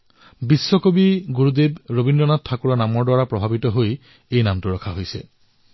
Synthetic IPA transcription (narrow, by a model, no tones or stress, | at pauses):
bisːɔkobiɡuɹud̪ebɹobindɔnat̚tʰːakuɹanamɔɹdwaɹapɹɔbʱabitɔɦoj | ejnamtuɹɔkʰaɦojsɛ̰